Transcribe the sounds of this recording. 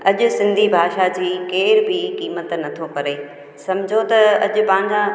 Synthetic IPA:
ɐʄʊ̆sɪ̃nd̪ʱibʱaːʃad͡ʑiːkeːɾbɪkiːmət̪nɐt̪ʰokɐɾeː | sɐmd͡ʑʱot̪ɐɐʄʊ̆pɐ̃ɦɪ̃ɲd͡ʑa

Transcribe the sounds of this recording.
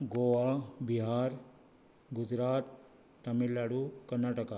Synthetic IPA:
ɡoʋabiɦaɾ | ɡud͡ʑɾat̪ː | əmilːaɽukəɾnaʈəka

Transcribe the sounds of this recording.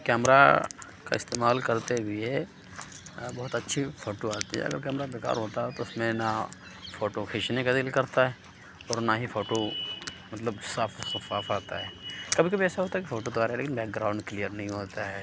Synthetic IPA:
kɛːmɾa̰ | ka̰ɪst̪eːmaːlkɐɾt̪eʋie | bɔːt̪ɐtːʃʰifoːʈoaːt̪iɦɛ̰ɐ̰ɡəɾkɛːmɾabeːka̰ːɾɦoːt̪aɦɛt̪oɪsmẽna | foːʈoxʰɪːʃnekad̪ɪlkɐɾt̪aɦɛ | ɔːɾnaɦifoːʈomɐt̪ləbsaːfsɐfaːfaːt̪aɦɛːkɐbʱikɐbʱiɛːsaɦoːt̪aɛkifoːʈod̪oʋaːɾaɦɛleːkɪnbɛːk̚ɡɾaːʊ̃ɳɖklijəɾnɐɦĩɦoːt̪aɦɛː

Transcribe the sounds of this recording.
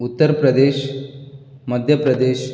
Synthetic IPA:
ut̪ːəɾpɾəd̪eːɕ | məd̪ʱjəpɾəd̪eːɕ

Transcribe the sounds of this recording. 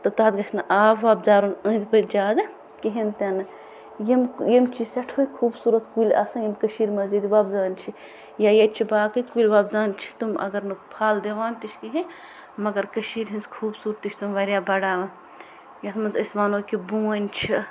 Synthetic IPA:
t̪ɐt̪aːd̪ɡɐt͡ʃʰʲnɨʔaːʋʋaːb̚d̪aːɾunɐ̃nʲzbɐld͡ʒaːd̪ɨ | kiɦint̪ʲɐnɨ | jimjimt͡ʃʰisɐʈʰoːjkʰuːbsuːɾɐt̪kulʲʔasɐnjimkɐʃiːɾmɐzd͡ʒid̪iʋaːb̚d̪aːnt͡ʃʰi | jajɐt̪t͡ʃʰibaːkɨkulʲʋaːbd̪aːnt͡ʃʰi̥t̪umʔɐ̰ɡɐɾnɨpʰaːld̪eʋaːnt̪iʃʰkiɦĩ | mɐɡɐɾkɐʃiːɾɦinskʰuːbsuːɾt̪ːit͡ʃʰʲt̪umʋɐɾʲjaːbɐɽaːʋɐ | jat̪mɐnzɐsmaːnoːkibũːɐnʲt͡ʃʰi

